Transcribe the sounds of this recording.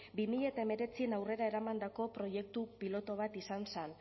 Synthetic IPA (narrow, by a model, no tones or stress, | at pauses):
bimiʎet̪ae̞me̞ɾe̞t͡sienawre̞ɾae̞ɾamand̪ako̞pɾo̞je̞k̚t̪upilo̞t̪o̞β̞at̪isansen